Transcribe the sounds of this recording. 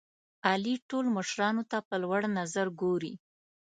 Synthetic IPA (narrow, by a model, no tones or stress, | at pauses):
ɑliʈolməʃɾɑnot̪apəlwaɽnazaɾɡoɾi